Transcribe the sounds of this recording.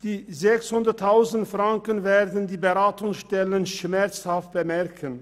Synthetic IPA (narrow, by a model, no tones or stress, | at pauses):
d̥iːzɛkshʊndɐtʰːaʊzn̩tfʁ̥aŋkənveːɐdn̩diːbəʁaːtʊŋsʃtɛlənʃmɛɐt͡shaft̚b̥əmɛʁkʰən